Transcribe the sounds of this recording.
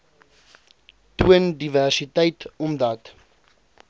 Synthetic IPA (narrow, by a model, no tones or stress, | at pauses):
tuəndiværsitɛjtɔmdɐt